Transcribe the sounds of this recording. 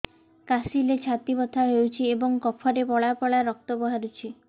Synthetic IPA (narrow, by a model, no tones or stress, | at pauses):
kasilet͡ʃʰat̪ibɔt̪ʰaɦewt͡ʃʰiebɔŋkɔpʰɔɾepɔɭapɔɭaɾɔk̚t̪ɔbɔɦaɾut͡ʃʰi